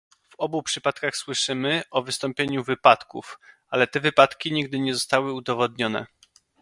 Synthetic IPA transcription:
v̥ɔbupʂɘpat̪kaxswɘʂɘmɘʔɔvɘst̪ɔmpʲjeɲuvɘpat̪kṵf | alɛt̪ɛvɘpat̪kʲiɲiɡ̚d̪ɘɲɛzɔst̪awɘud̪ɔvɔd̪ɲɔnɛ̰

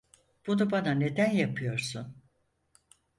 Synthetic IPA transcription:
b̥unubanane̞d̪ænjapʰɯjo̞ɾsun

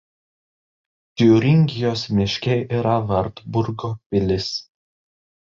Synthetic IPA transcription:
t̪ʲuːɾʲɪŋʲɡʲɪjoːsmʲɪʃʲkʲɛʔiɾɐʋɐɾt̪bʊɾɡopʲɪlʲɪs

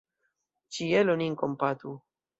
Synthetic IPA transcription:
t͡ʃieloniŋkompat̪u

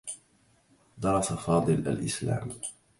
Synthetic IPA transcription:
d̪ɑɾˤɑsafɑːd̪ˤɨlʔa̰lʔɪsla̰ːm

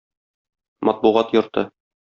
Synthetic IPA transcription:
mɒt̪̚buʁɑt̪jŏɾt̪ɤ

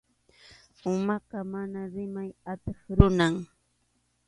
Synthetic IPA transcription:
ʊmɑqɑmanaɾɪmajat̪eχɾʊnaŋ

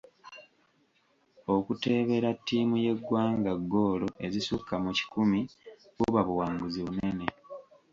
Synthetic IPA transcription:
o̞kute̞ːβe̞ɾatːiːmuje̞ɡwaːŋɡaɡːo̞ːlo̞ʔe̞zisukːamuci̥kumi | βoβaβuwaːŋɡuziβune̞ne̞

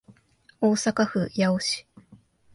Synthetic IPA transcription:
oːsakaɸɯ̟jaoɕi̥

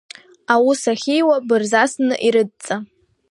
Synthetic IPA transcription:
awusaχʲijwabɨrzasnɨʔiɾɨd̚t͡sʼa

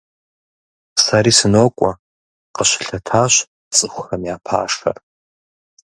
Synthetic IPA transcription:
saɾiːsɨnokʷʼa | qəʃʷɬatʰaʃʷ | t͡sʼɨχʷramjaːpʰa̰ːʂa̰r

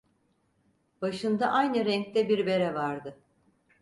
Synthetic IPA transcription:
baʃɯnd̪aʔajnɯɾɛŋc̚t̪ɛbiɾbe̞ɾɛvaɾd̪ɯ

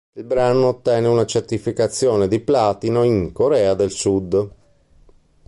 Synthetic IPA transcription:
ilbɾanoːt̪ːɛːneunat͡ʃert̪ifikat̪sːjoːned̪iplaːt̪inoiŋkoɾɛːad̪elsud̪

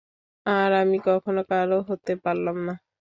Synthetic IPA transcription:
aɾamikɔkʰonokaɾoɦot̪epaɾlamna

